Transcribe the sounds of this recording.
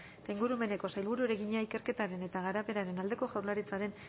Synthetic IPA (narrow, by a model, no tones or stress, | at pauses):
t̪aiŋɡuɾume̞ne̞ko̞sajlβuɾueɾe̞ɣiɲaike̞ɾke̞t̪aɾe̞ne̞t̪aɣ̞aɾape̞ɾaɾe̞nald̪e̞ko̞ʝawɾlaɾit͡saɾe̞n